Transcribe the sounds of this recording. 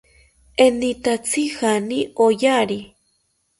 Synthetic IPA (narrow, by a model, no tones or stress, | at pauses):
enit̪at͡sʰixaniojaɾi